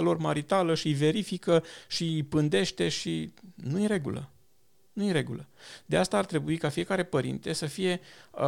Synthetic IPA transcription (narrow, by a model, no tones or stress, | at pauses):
alo̞rmaɾit̪aləʃive̞ɾifikəʃipɨnd̪e̞ʃt̪e̞ʃinuiɾe̞ɡṵlə̰ | nujiɾe̞ɡuləd̪east̪aːrt̪ɾe̞buikafije̞kaɾe̞pəɾḭnt̪e̞səfije̞